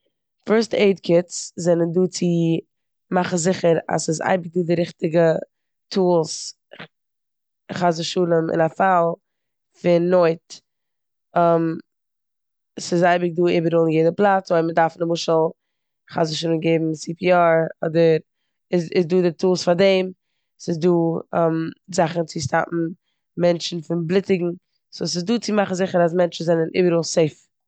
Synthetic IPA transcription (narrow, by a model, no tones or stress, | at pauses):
fɛɾsteɪdkʰɪt͡szɛnənduːt͡sɪ | maχn̩zɪχəɾa̰sɪza̰ɪbɪk̚duːdɪɾɪχtɪɡə | tʰuːlˠs | χazəʃuːlˠəmɪ̰nafalˠ | fɪnːoɪt | əm | sɪzaɪbɪk̚duːɪbəɾuːlˠnjɛɪdəplˠat͡soɪmədaɾfnəmʊʃəlˠ | χazəʃuːlˠəmɡeɪbm̩sipʰiaɾɔ̰dəɾ | ɪsɪsduːdɪtuːlˠsfadɛɪm | sɪzduːɛmzaχn̩t͡sɪʃtʰa̰pm̩ | mɛnt͡ʃn̩fɪnblˠɪtɪɡŋ̩ | sos̬ɪzduːt͡sɪmaχn̩zɪχəɾas̬mɛnt͡ʃn̩zɛnənʔḭbəɾuːlˠseɪf